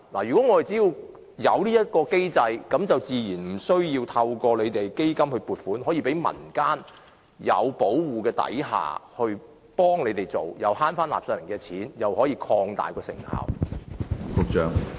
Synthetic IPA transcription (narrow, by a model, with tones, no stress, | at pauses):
la̰ː˨˩jy˨˩kɔː˨˥ŋɔː˨˧e˨˩jt͡siː˨˥jiː˧w | jɐ̰˨˧wliː˥jɐ˥t̚kɔː˧ke˥jt͡sɐ˧jkɐ˨˥mt͡sɐ˨wt͡siː˨jiː˨˩nm̩˨˩sɵ˥ɥjiː˧wt̪ʰɐ˧wkɔː˧le˨˧jt̪e˨jke˥jkɐ˥mhɵ˧ɥpuː˨t̚fuː˨˥nɦɔ˨˥jiː˧pe˨˥jmɐ̰˨˩nkaː˥n | jɐ̰˨˧wpo˨˥wwuː˨kɛː˧t̪ɐ̰˨˥jɦa̰ː˨hɵ˧ɥ | pɔː˥ŋle˨˧jt̪e˨˩jt͡so˨˩wjɐ˨˧whaː˥nfaː˥nla̰ː˨p̚sœː˧nmɪ˨˩ŋkɛ˧t͡sʰiː˨˥njɐ˨˩whɔː˨˥jiː˧kʰɔː˧ŋt̪a̰ː˨jkɔː˧sɪ̰˨˩ŋha̰ː˨w | fʊ˨k̚t͡ʃœː˨ŋ